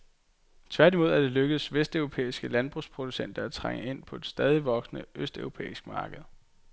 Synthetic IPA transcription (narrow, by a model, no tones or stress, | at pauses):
t͡sʰʋæɐd̥imo̝ð̞̰ˠæɐd̥e̝løɡ̥əð̩ˠsʋesd̥œʊʁo̝pʰḛːisɡ̥əlænb̥ʁuspʰʁo̝d̥usen̰d̥ɐæt͡sʰʁaŋ̰əe̝n̰pʰɒ̽e̝d̥sd̥ɛːð̞ˠiʋɒ̽ɡ̥snəʔøsd̥œʊʁo̝pʰḛːisɡ̥əmɑ̈ːɡ̥əð̞̩ˠ